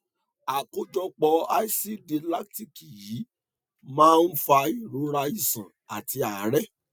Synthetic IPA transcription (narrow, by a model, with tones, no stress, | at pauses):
a˨ko˦d͡ʒɔ˧k͡pɔ˧˦a˦i˦si˦de˧la˦k̚ti˦ki˨ji˨˦ | mãː˦n̩˦fa˧i˦˨ɾo˨˦ɾa˧i˦˨sã˨ | a˨ti˧˦a˨˦ɾɛ˦